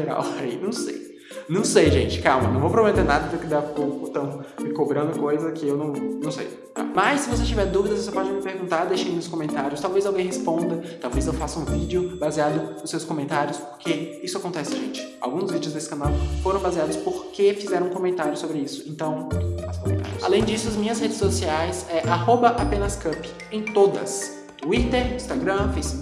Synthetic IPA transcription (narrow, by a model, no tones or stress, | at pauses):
ʒeɾa̰wejnɐ̃w̃sḛj | nɐ̃w̃sejʒẽt͡ʃɪ̥kawmɐnɐ̃w̃vowpɾomet̪eɾnad̪ɐd̪ɐkɪd̪apõkʊt̪ɐ̃w̃mɪkobɾɐ̃nd̪ʊkojzɐkɪewnɐ̃w̃nɐ̃w̃sḛj | t̪a̰mɐssɪvos̬et͡ʃivɛɾd̪uvid̪ɐzvosepɔd͡ʒɪmɪpeɾɡũnt̪aɾd̪ejʃẽj̪̃ʊskõmẽnt̪aɾjʊst̪awvezawɡẽj̃ɦespõnd̪ɐt̪awvezewfasɐũvid͡ʒɪʊbaziad̪ʊnʊsːewskomẽnt̪aɾjʊspoɾkeisʊakõnt̪ɛsɪʒẽnt͡ʃɪ̥a̰wɡũzvid͡ʒɪʊzd̪esɪ̥kãnawfoɾɐ̃w̃baziad̪ʊspoɾkefizɛɾɐ̃ũkõmẽnt̪aɾjʊsobɾɪisʊ̥ẽnt̪ɐ̃w̃t̪fasko̰mẽt̪a̰ɾjʊa̰lẽj̃d͡ʒisʊɐzmĩɲɐzhed͡ʒɪsosiajsɛʔahobɐʔapẽnɐskɐpɪ | ẽj̃t̪od̪ɐ̰s | t̪uit̪eɾĩst̪aɡɾɐ̃fejs